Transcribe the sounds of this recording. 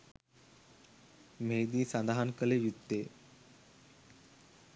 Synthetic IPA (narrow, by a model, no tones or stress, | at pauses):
meːd̪isɐnd̪aɦankəlejut̪ːeː